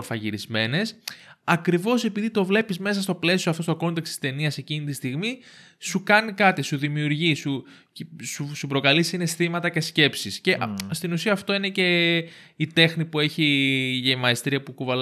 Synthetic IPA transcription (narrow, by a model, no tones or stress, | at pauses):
ɾfɐʝiɾizme̞ne̞sɐkɾivo̞se̞piðit̪o̞vle̞pizme̞sɐst̪o̞ple̞sioɐft̪ost̪oko̞nt̪e̞kst̪ist̪e̞niɐse̞cinit̪ist̪iɣmi | sukɐnikɐt̪isuðimiuɾʝisu | susupɾo̞kɐlisine̞sθimɐt̪ɐce̞sce̞psisce̞st̪inusiɐːft̪o̞ine̞ce̞ | it̪e̞xnipue̞çiʝemɐest̪ɾiɐpukuvɐl